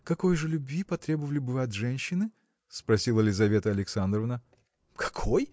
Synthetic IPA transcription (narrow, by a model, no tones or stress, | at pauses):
kɐko̞jʐɨlʲʊbʲvʲipɐt̪ɾʲebəvəlʲɪbɨvɨɐt̪ʐɛnʲɕːɪnɨ | spɾɐsʲilˠəlʲɪzɐvʲe̞t̪əɐlʲɪksand̪ɾəvnə | kʰɐ̥kʰo̞j